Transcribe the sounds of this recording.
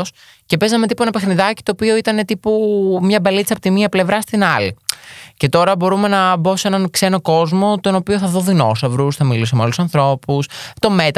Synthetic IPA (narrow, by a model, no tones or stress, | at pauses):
s | ce̞pe̞zɐmet̪ipuenɐpexniðɐci̥t̪oːpio̞it̪ɐne̞t̪ipumɲɐbɐlit͡sɐpot̪imiɐple̞vɾɐst̪inɐlice̞t̪o̞ɾɐbo̞ɾume̞nɐbo̞senɐnkse̞no̞ko̞zmo̞t̪o̞no̞pioθɐðoðino̞̰sɐvɾusθɐmilisemeolusɐnθɾo̞pust̪o̞me̞t̪